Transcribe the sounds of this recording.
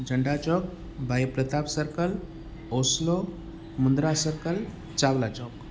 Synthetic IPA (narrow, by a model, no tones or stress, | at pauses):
d͡ʒəɳɖat͡ʃɔk̚ | bʱajpɾət̪apsəɾkəl | oslo | mund̪ɾasəɾkəl | t͡ʃaʋlat͡ʃɔk